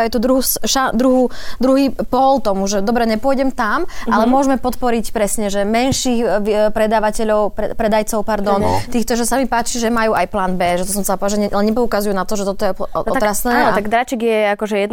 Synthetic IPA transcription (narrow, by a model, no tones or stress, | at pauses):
ajt̪ud̪ɾuɦusʃad̪ɾuɦud̪ɾuɦiːpɔlt̪ɔmuʒɛd̪ɔbɾɛɲɛpʊɔjɟɛmt̪amalɛmʊɔʒmɛpɔt̪pɔɾicpɾɛsɲɛʒɛmɛnʃiːxʋpɾɛd̪aːʋacɛʎɔʊpɛpɾɛd̪ajt͡sɔʊpaɾd̪ɔnt̪iːxt̪ɔʒɛsamipaːt͡ʃiʒɛmajuːʔajplaːnbɛːʒɛt̪ɔsɔmzapɔʒɛɛlɛɲɛpɔukazujunat̪ɔʒɛt̪ɔt̪ɔjɛɔt̪ɾassnɛt̪aɡd̪ɾat͡ʃiɡjɛakɔʒɛjɛ